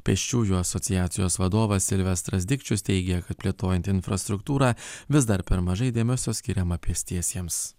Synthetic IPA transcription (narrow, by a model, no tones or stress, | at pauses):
pʲɛʃʲt͡ʃʲuːjuːɐsɔt̪sʲɪjæːt̪sʲɪjoːsʋɐd̪oːʋɐsʲɪlʲʋʲɛst̪ɾɐzʲd̪ʲɪkʲt͡ʃʲʊst̪ʲɛɪɡʲɛkɐt̪̚pʲlʲiɛt̪oːjɛnʲt̪ʲɪnfɾɐst̪ɾʊkt̪uːɾɑːʋʲɪsd̪ɐɾpʲɛɾmɐʒɐɪd̪ʲeːmʲɛsʲoːsʲkʲɪɾʲɛmɐpʲiɛsʲt̪ʲiɛsʲiɛms